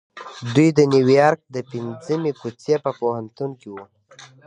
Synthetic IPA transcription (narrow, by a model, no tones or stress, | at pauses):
d̪ujd̪ənjuwjɑɾk̚d̪əpind͡zəmekut͡sjepəpohant̪unkiwu